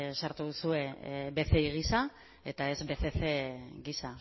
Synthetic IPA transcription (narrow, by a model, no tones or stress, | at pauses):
saɾt̪uðusue̞be̞θe̞iɣ̞isa | e̞t̪ae̞zbe̞θe̞θeɣisa